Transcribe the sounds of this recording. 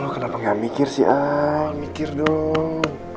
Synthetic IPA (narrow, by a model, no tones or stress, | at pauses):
lokənapaŋɡamikɪrsḭamikɪrdo